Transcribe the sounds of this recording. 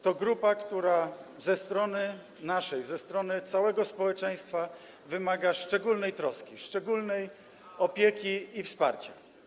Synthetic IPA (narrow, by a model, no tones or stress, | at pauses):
t̪ɔɡɾupakt̪uɾa | zɛst̪ɾɔnɘ | naʂɛjzɛst̪ɾɔnɘt̪sawɛɡɔspɔwɛt͡ʂɛj̃st̪fa | vɘmaɡaʂt͡ʂɛɡulnɛjt̪ɾɔskʲiʂt͡ʂɛɡulnɛj | ɔpʲjekʲiːfspa̰ɾt͡ɕa